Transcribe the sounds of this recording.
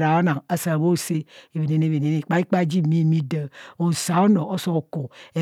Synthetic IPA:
ɾa˨a˦na˨ŋa˨sa˨a˨bo˦˨se˦e˨βe˨ne˨ne˦˨βe˨ne˨ne˦˨k͡pa˦i˦k͡pa˦d͡ʒi˦mi˦˨mi˦də˨o˨n̩˨sa˨˦o˦no˨o˦so˦o˨ko˨e˨

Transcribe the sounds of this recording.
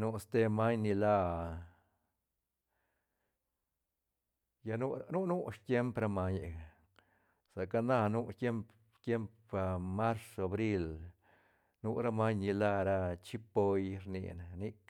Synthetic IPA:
nu˦st̪e˦ma˦ɲni˧la˦ | ja˧nu˦nu˦nu˦ʂt̪je˦mpɾa˦˧ma˧ɲe˨a˨ | sa˨ka˧na˦˧nu˦t̪je˦mp | t̪je˦mp | a˧ma˦ɾsa˨bɾi˦˧l | nu˦ɾa˦ma˦ɲni˧la˦˧ɾa˧t͡ʃi˦po˧jɾnḭ˧na˨ni˦k

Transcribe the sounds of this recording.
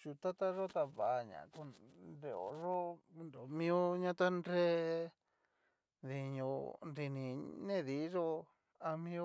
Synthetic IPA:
t͡ʃu˧t̪a˦t̪a˦ʐo˦t̪a˧βa˨a˧ɲã̰˨ku˧nɾe˧o̰˨ʐo˦nɾo˨mĩ˦o˦ɲã˦t̪a˦ndɾe˦ | ði˧˨ɲõ˧nɾi˧nĩ˧nẽ˦˨ði˨˦ʐo˦ | a˧mĩ˦˧o˦

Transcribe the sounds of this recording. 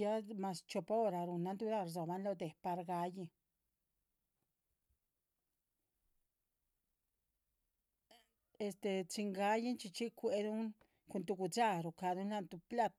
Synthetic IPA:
ja˦ma˧st͡ʃo˧pa˦o˦˧ɾa˨ɾu˨na˧˦nt̪u˧ɾa˦˧ɾzo˨ba˧˦nlo˧d̪e˨pa˧ɾɡa˧ji˧ | e˧st̪e˧t͡si˧ŋɡa˧˦ji˦nt͡ʃi˧t͡ʃi˦kʷe˧d̪u˦ŋ | ku˧nt̪u˧ɡu˧d͡ʒa˦˧ɾu˨ka˧d̪u˦nla˦˧nt̪u˧pla˦t̪

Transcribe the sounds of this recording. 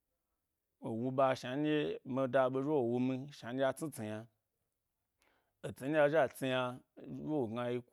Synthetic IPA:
o˨wu˧ɓa˧ʃa˨n˦e˦mi˧da˧ɓo˧ʒo˦wo˨wu˧mĩ˧ʃa˨nʲ˦a˧t͡si˦t͡si˨ja˧ | o˨t͡si˨˧˦nʲ˦a˧˨ʒa˦˨t͡si˧ja˧jo˦wo˨ɡa˧ji˧k

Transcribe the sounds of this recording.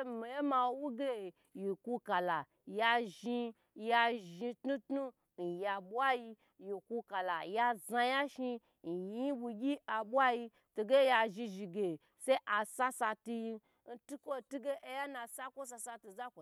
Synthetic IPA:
mi˨je˦ma˧wwu˦ɡe˦˨ | ji˨ku˧ka˨la˨ | ja˧ʒi˧ | ja˧ʒi˧tnu˦tnu˦ | n̩˨ja˧ɓwa˦ji˧ | ji˨ku˧ka˨la̰˨ja˧za˧ja˦ʃi˧ | n̩˨ji˧ji˦bu˧ɡʲi˦a˧bʷa˦ji˧ | to˧ɡe˦ja˧ʒi˧ʒi˧ɡe˨ | se˦ʔa˨sa˦sa˧tu˧ji˧ | n̩˦tu˦kʷo˦tu˦ɡe˦ʔe˧ja˦na˧sa˦kʷo˦s̬a˧sa˧tu˧za˦ko˨

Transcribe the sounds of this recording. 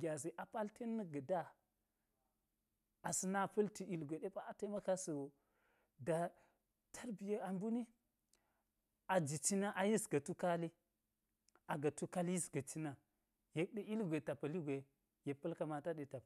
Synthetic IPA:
ɡʲa˨zi˨ʔa˨pa˦lte˦nːə˦ɡə˨da˦ | a˨si˦na˦pə˦lti˨i˨lɡʷe˨ɗe˦pa˦ta˦ma˦ka˦sə˨wo˨ | da˨ | tʰa˦ɾbi˨ja˦a˨mbu˦ni˦ | a˨d͡ʒi˨t͡ʃi˦na˦ʔa˨ji˦sɡa˨tu˦ka˦li˦ | a˨ɡa˨tu˦ka˦lji˦sɡa˨t͡ʃi˦na˨ | je˨k̚ɗe˦i˦lɡʷe˨ta˨pa˨li˦ɡʷe˨ | je˨pːə˦lka˨ma˨ta˦ɗe˨ta˨p

